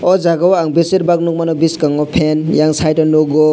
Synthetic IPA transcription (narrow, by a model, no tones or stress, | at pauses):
ɔd͡ʒaɡawaŋbeseɾbak̚nuk̚manɔbiskaŋɔpʰenjaŋsajtanoɡɔ